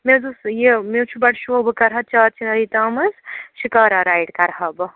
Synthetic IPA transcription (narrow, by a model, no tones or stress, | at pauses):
mezusjemewt͡ʃʰubɐɽʃoːbkɐɾɦɐt̪̚t͡ʃaːt̪̚t͡ʃʰinɐɾit̪aːmɐsʃikaːɾaɾaːjɖkɐɾɦɐb